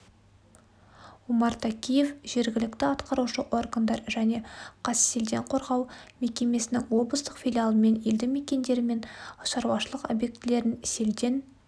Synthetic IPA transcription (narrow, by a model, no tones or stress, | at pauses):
umɑɾt̪ʰakʲije̞fʒ̥e̞ɾɡʲɪlɪkt̪ɪɑt̪qɑɾuʃəʔo̞rɡənd̪ɑɾʒæne̞qʰɑsse̞ld̪e̞ɴqʰo̞ɾʁɑwme̞kʲe̞me̞sɪnɪŋwo̞blˠəst̪əqfʲilʲijalˠəme̞neld̪ɪmekʲe̞nd̪e̞ɾɪme̞nʃɑɾwɑʃəlˠəqo̞̰bje̞k̚t̪ɪle̞ɾɪnse̞ld̪e̞n